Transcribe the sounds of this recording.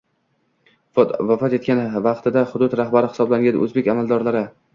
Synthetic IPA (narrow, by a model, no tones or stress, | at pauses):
vafɒt̪et̪̚kʲanvɑqt̪ʰɪd̪aχʊd̪ʊt̪ɾahbaɾɪhɪ̥sɒblaŋɡʲanɵ̰zbekʲamalˠd̪ɒɾlaɾɪ